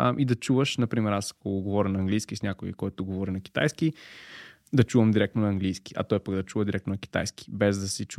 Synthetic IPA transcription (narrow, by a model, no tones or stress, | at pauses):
ʔid̪ɐt͡ʃuvəʃnɐpɾimɛɾasɐ̥koɡovɔɾʲənɐːŋɡlijskisnʲakoḭkɔjt̪ʊɡovɔɾʲinɐki̥t̪a̰jski | d̪ɐt͡ʃuvəmd̪iɾɛk̚t̪onɐːŋɡlijski̥ɐ̰t̪ɔjpəɡd̪ɐt͡ʃuvəd̪iɾɛkt̪onɐkʲi̥t̪a̰jski̥bɛzd̪ɐsit͡ʃ